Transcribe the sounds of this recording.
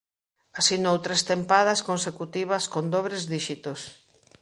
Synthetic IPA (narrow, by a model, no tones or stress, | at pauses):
asinowt̪ɾest̪empað̞ɐskonsekut̪iβɐskond̪oβɾezðiʃit̪os